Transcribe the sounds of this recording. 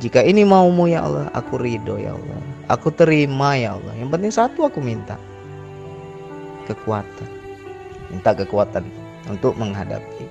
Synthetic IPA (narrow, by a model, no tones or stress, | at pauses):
d͡ʒikainimaumujaʔa̰lːɔha̰kuɾidoja̰a̰lːɔ̰ha̰kut̪əɾimajaa̰lːɔ̰hjaŋpənt̪ɪŋsat̪uakumint̪a | kəkuat̪an | mint̪akəkuat̪an | unt̪ʊk̚məŋɦada̰pi